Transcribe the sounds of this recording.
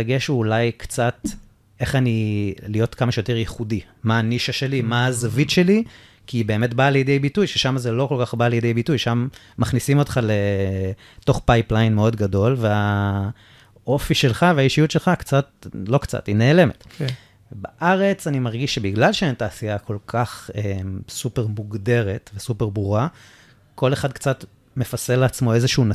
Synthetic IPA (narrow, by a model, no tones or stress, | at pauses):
eɡeʃuːlajkt͡sat | eχanilijo̞tkamaʃejote̞ʁjeχudi | maːniʃaʃe̞limaazavitʃe̞li | kibe̞ːme̞tbaːljedejbitujʃeʃamazelo̞ko̞lkaχbaːljedejbitujʃamː | aχnisimo̞tχale̞ | to̞χpajplajnmeo̞dɡado̞lvea | o̞fiʃe̞lχaveajiʃijutʃe̞lχakt͡sat̚lo̞kt͡sa̰tineːle̞met | baʔaʁe̞t͡sanimaʁɡiʃːe̞biɡlalʃeentaːsiakʰo̞lkʰaχemsupe̞ʁmuɡde̞ʁe̞tvesupe̞ʁbʁuʁa | ko̞leχad̪̚kt͡sat | me̞faseleat͡smo̞e̞zeʃuuna